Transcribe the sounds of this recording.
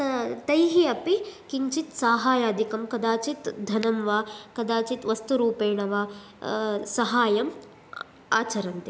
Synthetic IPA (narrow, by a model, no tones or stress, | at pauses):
t̪ɐjɦiɐpikiɲt͡ʃit̪saːɦaːjaːd̪ʱikɐmkɐd̪aːt͡ʃit̪d̪ʱɐnɐmʋaːkɐd̪aːt͡ʃit̪ʋɐst̪uɾuːpeːɳɐʋaː | sɐɦaːjɐm | aːt͡ʃɐɾɐnt̪i